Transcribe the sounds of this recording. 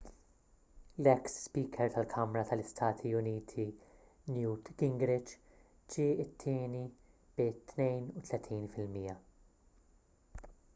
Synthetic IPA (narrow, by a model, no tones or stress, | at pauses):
lɛksːpiːkʰɛɾt̪ʰɐlkʰɐmɾɐt̪ɐlɪst̪ʰɐːt̪ʰiʊniːt̪ʰi | njuːt̪ɡ̥ɪŋɡɾɪt͡ʃ | d͡ʒiːɪt̪ʰːɪːni | b̥ɪt̪nɛjnut̪lɛt̪ʰiːnfɪlmiːjɐ